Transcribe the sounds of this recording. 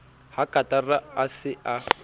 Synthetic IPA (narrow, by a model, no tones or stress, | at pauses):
hakʼatʼaraasɪa